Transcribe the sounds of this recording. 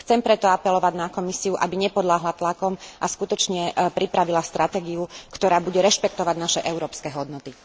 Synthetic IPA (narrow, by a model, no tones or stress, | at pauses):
xt͡sɛmpɾɛt̪ɔapɛlɔʋaɟnakɔmisiuʔabiɲɛpɔd̪laɦlat̪lakɔmʔaskut̪ɔt͡ʃɲɛpɾipɾaʋilast̪ɾʔat̪ɛːɡiukt̪ɔɾaːbuɟɛɾɛʃpɛk̚t̪ɔʋaɟnaʃɛʔɛʊɾɔːpskɛɦɔd̪nɔt̪i